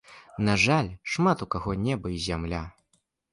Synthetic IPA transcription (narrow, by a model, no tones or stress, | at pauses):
naʐalʲʂmat̪ukaɣɔnʲɛbɐizʲamlʲa